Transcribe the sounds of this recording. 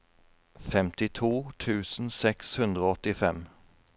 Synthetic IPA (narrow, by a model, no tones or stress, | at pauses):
fɛmt̪ɪt̪ʰuːt̪ʰʉːsn̩sɛkshɵnd̪ʁəoːɔt̪ːɪfɛm